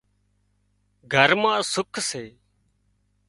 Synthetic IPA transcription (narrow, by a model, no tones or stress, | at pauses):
ɡʱəɾmãːsʊkʰseː